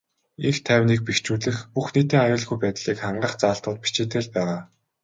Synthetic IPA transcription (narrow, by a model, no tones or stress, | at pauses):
ixt̪ʰæwʲniːk̚pixt͡ɕuːɮɘ̆xpuxnet̪iːŋajʊːɮɣujpæːt̪ɮiːkχaɴɢə̆χt͡saːɬt̪ʊːt̪̚pi̥t͡ɕeːt̪ĕːɮpæːʁaː